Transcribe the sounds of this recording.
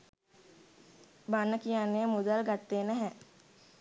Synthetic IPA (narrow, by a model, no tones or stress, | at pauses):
banːəkijanːejəmud̪alɡat̪ːeːnɛɦɛ